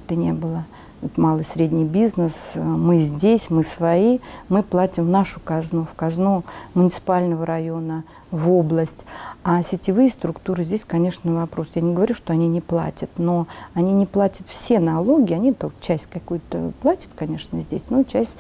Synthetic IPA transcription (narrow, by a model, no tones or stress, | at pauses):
t̪ɨnʲḛbɨlˠə | ot̪malˠəsʲɾʲedʲnʲɪjbʲiznəsmɨzʲdʲesʲmɨsvɐimɨplˠatʲɪmvnaʂʊkɐznufkɐznumʊnʲɪt̪sɨ̥palʲnəvəɾɐjo̞nə | voblˠəsʲtʲasʲɪtʲɪvɨjəst̪ɾʊkt̪uɾɨzʲdʲesʲkɐnʲe̞ʂnəvɐpɾo̞sjanʲɪɡəvɐɾʲuʂt̪o̞ɐnʲinʲɪplˠa̰tʲət̪no̞ɐnʲinʲɪplˠatʲət̪fsʲe̞nɐlˠo̞ɡʲɪɐnʲit̪ət͡ɕæsʲtʲkɐkujʊt̪ə̰plˠatʲə̥t̪kɐnʲe̞ʂnəzʲdʲesʲnot͡ɕæsʲtʲ